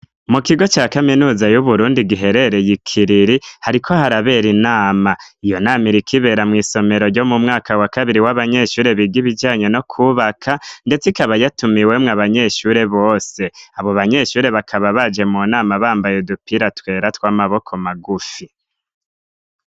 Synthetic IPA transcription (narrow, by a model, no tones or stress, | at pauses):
mukiɡo̞t͡ʃaːkaminuːzajuβuɾuːndiɡiɦe̞ɾe̞ɾe̞jikʰiɾiɾihaɾikʰo̞haɾaβe̞ɾinaːmaijo̞naːmiɾikʰiβe̞ɾamŋiːso̞me̞ɾo̞ɾɟo̞mumŋaːkawakaβiɾiwaβaɲe̞ʃuːɾe̞βiɡiβid͡ʒaːɲe̞no̞kʰuβakʰande̞t͡sikaβajatumiwemŋaβaɲe̞ʃuɾe̞βo̞ːse̞aβo̞βaɲe̞ʃuːɾe̞βakʰaβaβad͡ʒe̞munaːmaβaːmbajedupiɾatwe̞ːɾatwaːmaβo̞kʰo̞maɡufi